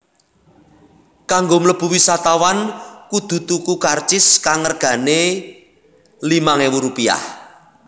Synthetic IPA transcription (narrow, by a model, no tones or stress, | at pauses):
kaŋɡomləb̥ṳwisat̪awankud̪̥ṳt̪ukukart͡ʃɪskaŋərɡ̥ä̤ne | limaŋewuɾupia̰h